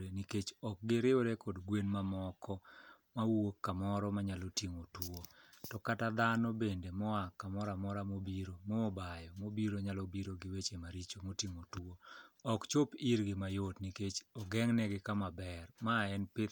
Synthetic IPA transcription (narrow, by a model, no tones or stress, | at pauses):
eniket͡ʃɔk̚ɡɪɾɪoɾekʰodɡwenmamɔkʰɔ | mawokːamɔɾɔmaɲalotiŋotwotɔkatad̪anɔbendemɔakamɔɾamɔɾamobiɾomɔːbajɔmobiɾoɲalɔbiɾoɡɪwet͡ʃemaɾit͡ʃomotiŋotwoɔkt͡ʃopiɾɡɪmajotniket͡ʃɔɡɛŋnɛɡɪkamabɛrmaɛnpɪt